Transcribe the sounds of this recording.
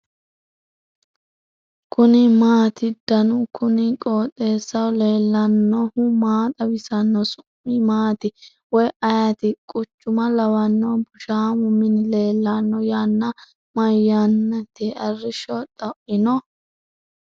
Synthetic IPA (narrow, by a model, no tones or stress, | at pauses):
kʰʊnɪmaːt̪ɪd̪̥ɐnʊkʰʊnɪkʼoːt̪ʼːe̞ːsːɐwle̞ːlːɐnːɔhʊmaːt̪ʼɐwɪsɐnːɔsʊmːɪmaːt̪ɪ | wɔjɐjat̪ɪkʼʊt͡ʃːʊmɐlɐwɐnːɔbʊʃaːmʊmːɪnɪle̞ːlːɐnːɔjanːɐ | mɐjːɐnːɐt̪ɪɐrːɪʃɔt̪ʼɐʔɪnɔ